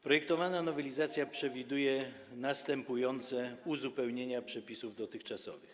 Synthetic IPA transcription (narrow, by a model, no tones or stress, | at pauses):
pɾɔjɛk̚t̪ɔvananɔvɛlʲizat̪sʲjapʂɛvʲid̪ujɛ | nast̪ɛmpujɔnt̪sɛuzupɛwɲeɲapʂɛpʲisuvd̪ɔt̪ɘxt͡ʂasɔ̰vɨx